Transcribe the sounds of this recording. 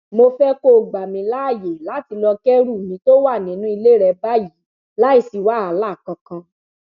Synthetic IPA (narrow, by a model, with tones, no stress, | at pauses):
mo˧fɛ˦ko˦˨ɡ͡ba˨mĩ˨˧la˦˨je˨la˨˦ti˧lɔ˧kɛ˦ɾu˦˨mĩ˨˧˦to˦wa˦˨nĩ˨˦nũ˦i˧le˦ɾɛ˧ba˦ji˨˦ | la˦i˦˧˨si˧wa˦a˨˦la˦˨kã˧kã˧